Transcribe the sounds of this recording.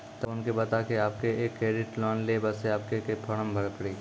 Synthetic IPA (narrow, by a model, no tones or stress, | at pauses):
t̪ɐbʊnkebɐt̪akeaːp̚keeːkːɾeːɖɪʈlɔːnlebɐseaːp̚kekepʰɐɽ̃əmbʱɐɽpəɽiː